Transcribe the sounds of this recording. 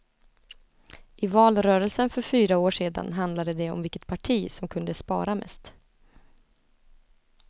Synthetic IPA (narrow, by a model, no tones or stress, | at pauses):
ʔɪvɑːlɾœːɾəlsənfœɾfyːɾaoːʂeːd̪a̰nɦand̪lad̪əd̪ɛɔ̰mvɪkːə̥t̪̚pʰaʈʰiːsɔmkʰɵnd̪əspɑ̰ːɾamɛ̰st̪